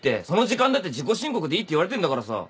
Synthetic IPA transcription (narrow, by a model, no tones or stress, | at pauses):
t̪͈e̞sonod͡ʑikand̪at̪̬ːed͡ʑikoɕiŋkokɯd̪eit̪͈ːeiwaɾet̪end̪akaɾasʌ̰